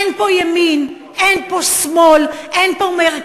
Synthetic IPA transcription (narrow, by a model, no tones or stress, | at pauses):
npojamin | ɛnposmolɛnpomeʁ